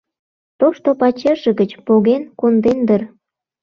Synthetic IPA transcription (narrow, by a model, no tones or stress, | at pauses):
t̪oʃt̪opɑt͡ɕeʒə̆ɣət͡ɕpoɣenkond̪end̪ər